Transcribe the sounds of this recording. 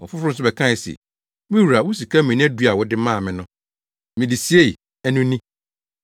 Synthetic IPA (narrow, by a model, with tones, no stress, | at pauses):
ɔ̰˨fʊ˦fɾʊ̃˦sʊ˦bɛ˨kʰã˦˨sɛ̰˨ | mĩ˦wu˨ɾa˨wʊ˦s̬i˨kʰa˦mɪ̃˨nĩ˦du˦a˨wʊ˦dɪ˦mãː˦˨mɪ̃˨nʊ̃˦ | mɪ̃˨di˨si˦e˦˨ | æ˦nʊ̃˦nĩ˦